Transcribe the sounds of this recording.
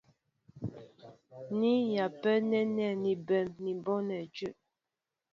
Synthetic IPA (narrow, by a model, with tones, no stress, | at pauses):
ni˦ja˨pɛ˦nɛ˦nɛ˦˨ni˨bɛ˨mni˨bɔ˦nɛ˨d͡ʒʉ˦ʔ